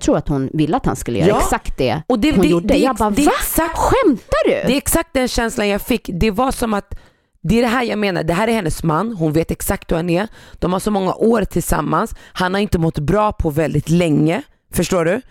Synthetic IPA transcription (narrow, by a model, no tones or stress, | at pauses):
t̪ʰɾuːɾat̪hʊnvɪlːəat̪ha̰nskɵlə̰jœ̰jɑːsakt̪̚d̪ɛ̰ɔd̪ɛhʊɛjudəɛɑbaːɛasak̚ɧɛmt̪adɵ̰d̪ɛɛksak̚t̪̚d̪ɛnɕɛnslanjaɡfɪkːd̪ɛvaʂɔmat̪ | d̪ɛæɖɛɦæːɾjaːɡmeːna̰ɖ̪ɛɦæːɾæɾhɛnːəsmanːɦʊnveːt̪ɛksak̚t̪vahanɛd̪̥ɔmhaʂɔmɔŋːa̰ʔoːɾt̪ʰɪlsa̰mːanshanhaɾɪnt̪əmɔt̪ːbɾɑːpʰɔvɛld̪ɪt̪lɛŋːə | fœʂʈoːɖɵ